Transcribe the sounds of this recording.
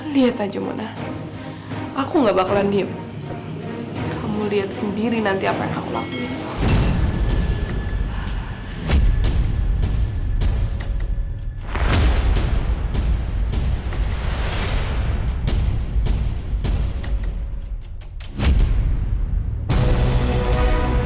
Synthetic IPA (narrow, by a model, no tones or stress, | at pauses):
liat̪ad͡ʒamṵnah | ʔakuŋɡaʔbakalandiəm | kʰamuliat̪̚səndiɾinant̪iapaja̰ŋakṵla̰ku